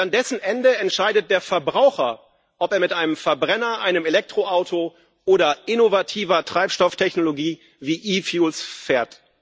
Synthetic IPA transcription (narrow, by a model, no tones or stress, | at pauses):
andɛsn̩ʔɛndəɛntʃaɪdət̚d̥eːɐfɛɐbʁaʊxɐ | ʔɔpeːɐmɪtʔaɪnəmfɛɐbʁɛnɐʔaɪnəmelɛk̚tʁ̥oʔaʊtʰo | ʔoːɾɐʔɪnovatʰiːvɐtʁ̥aɪpʃtɔftʰɛçnoloɡiː | viːʔiːfjuːlsfeːɐt